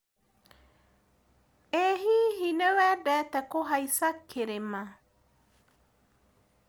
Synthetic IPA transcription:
eɦiɦinewɛdɛt̪ɛkoɦajsakʰːeɾema

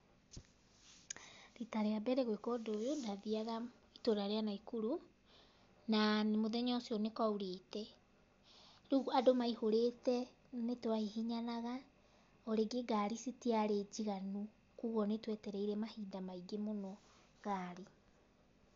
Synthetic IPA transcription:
ɾitaɾeabɛɾɛɣwekɔdojonaðiaɣa | itoɾaɾeanaikuɾo | nanmoðɛɲɔsiɔnekauɾeːtɛ | ɾuɣadomaihoɾetɛ | netwahihiɲanaɣa | oɾeɡeɡaːɾisitiaɾed͡ʑiɣanu | kuːɣɔnetwɛtɛɾɛiɾɛmahiːdamaiɡemonɔ | ɣaːɾi

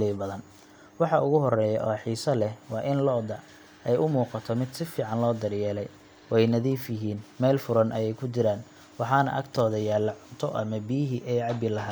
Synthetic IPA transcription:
liːbɐðɐn | wɑħɑʔʊɣʊɦɔrɛːjɐ̰ʔɔːħiːsɐlɛhwɑːʔɪnlɔːd̪ɐ | ɛjʔʊmuːqɑt̪ʰɔmɪd̪sɪfiːʕɑnlɔːd̪ɐrjɛːlɛj | wɛjnɐðiːfjɪɦiːnmɛːlfʊɾɐnʔɐjɛjkʰʊt͡ʃɪɾaːn | wɑħɑnɐ̰ʔɐ̰ɡt̪ʰɔːðɐjaːlɐʕʊnt̪ʰɔʔɐ̰mɐbijɦiʔɛːʕɑbɪlɐɦaː

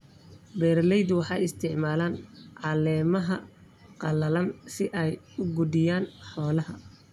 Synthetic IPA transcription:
bɛːrlɛjd̪wɑħɑjɪst̪ʰɪʕmaːlaːnʕɑlɛːmɐɦɐ | qɑlɐlɐnsɪʔɛj | ʊɡʊd̪ɪjaːnħɔːlɐɦɐ̰

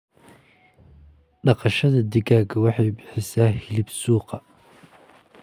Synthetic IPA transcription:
ɖɑqɑʃɐðɐd̪ɪɡaːɡɐwɑħɑjbɪħɪsaːhɪlɪbsuːqɑ

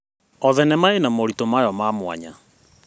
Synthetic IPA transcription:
ɔðɛnɛmaenamoɾitomajɔmaːmwa̰ɲa̰

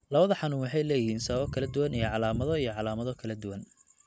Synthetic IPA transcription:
lɐβɐðɐħɑnʊuːŋwɑħɑjlɛːjɪhiːnsɐβɐɔkʰɐlɐd̪ʊwɐnijɞʕɑlaːmɐðɔijɞʕɑlaːmɐðɔkʰɐlɐd̪ʊwɐn

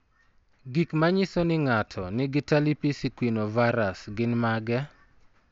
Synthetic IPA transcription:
ɡikmaɲisɔnɪŋatʰɔnɪɡɪtalipisikwinovaɾasɡɪnmaɡɛ

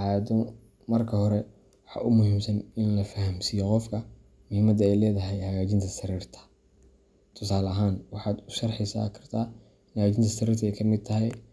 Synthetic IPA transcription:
ajɐd̪ɔ | mɐrkʰɐɦɔɾɛ | wɑħɑ̰ːʔʊmʊhiːmsɐnɪnlɐfɐɦɐmsiːjɔqɔfkʰɐ | mʊhiːmɐd̪ɐɛjlɛːðɐɦɛjhɐɣaːt͡ʃɪnt̪ʰɐsɐɾiːrt̪ʰɐ̥ | t̪ʰʊsaːlɐɦaːnwɑħɑːd̪ʊʃɑrħɛsa̰ːkʰɐ̥rt̪ʰaː | nhɐɣaːt͡ʃʰɪnt̪ʰɐsɐɾiːrt̪ʰɐɛjkʰɐmɪd̪̚t̪ʰɐɦɛj

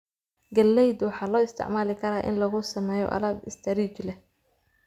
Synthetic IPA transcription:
ɡɐlːɛjd̪wɑħɑːlɔːɪst̪ʰɪ̰ʕmaːlɪkʰɐɾaːʔɪ̰nlɐɣʊsɐmɛːjɔ̰ʔɐ̰lɐːbɪst̪ʰɐɾiːt͡ʃlɛ

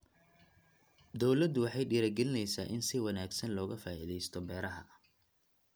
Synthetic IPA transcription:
d̪ɔwlɐd̪wɑħɑjɖiːɾɐɡɛlɪnɛjsa̰ːʔɪnsɪwɑnaːɡsɐnlɔːɣɐfaːʔḭðɛjst̪ʰɔbɛːɾɐɦɐ̰

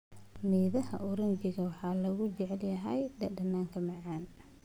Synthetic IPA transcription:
miːðɐɦɐ̰ʔʊɾɐnd͡ʒɪɣɐwɑħɑːlɐɣʊt͡ʃɛʕɛljɐɦɛjɖɐɖɐnːaːŋkʰɐmɑʕɑːn

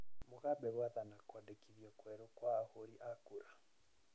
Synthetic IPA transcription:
moɣabɛβwaðanakwɔdekiðjɔkwɛɾokwaːhoɾiʔakuɾa

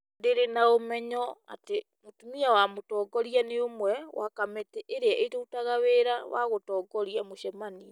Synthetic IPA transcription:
ndeɾenaomɛɲɔa̰te | motumiawamotɔɡɔɾianeomwɛwa̰kametɛʔeɾeaʔetoutaɣaweɾawa̰ɣotɔːɡɔɾiamoʃɛmania

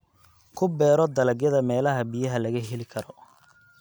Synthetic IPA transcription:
kʰʊbɛːɾɔd̪ɐlɐɡjɐðɐmɛːlɐɦɐbijɐɦɐlɐɣɐɦɛlɪkʰɐɾɔ

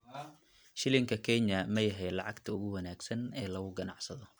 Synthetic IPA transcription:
ʃɪlɪŋkʰɐkʰɛnjɐmɐjɐɦɛjlɑʕɑɡt̪ʰɐʊɣʊwɐnaːɡsɐnɛːlɐɣʊɡɐnɑʕsɐðɔ

